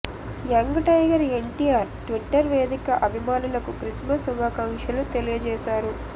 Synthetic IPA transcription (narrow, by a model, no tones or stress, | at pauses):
jɐŋɡɐʈɐjɡɐɾeɳʈijaːɾʈʋiʈːɐɾʋeːd̪ikɐʔɐbʱimaːnulɐkukɾismɐsuʋaːkɐŋʂɐlut̪elijɐd͡ʒɛːʃaːɾu